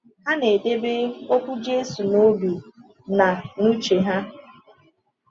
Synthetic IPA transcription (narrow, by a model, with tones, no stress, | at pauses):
ha˦ne˨de˦be˦o˦kʷu˦d͡ʒe˦su˨no˦bi˨ | na˨nu˦t͡ʃe˨ɦa˦